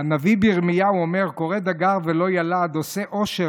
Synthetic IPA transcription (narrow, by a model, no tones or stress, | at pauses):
anavibiʁmijauome̞ʁko̞ʁed̪aɡaʁvelo̞jalad̪o̞seʔo̞ʃe